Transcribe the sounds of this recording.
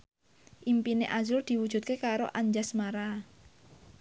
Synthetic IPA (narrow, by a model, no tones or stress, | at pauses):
ʔimpineʔazʊrd̪̥i̤wu̥ʒ̥ṳt̪̚kekaɾoʔaɲd͡ʒasmaɾa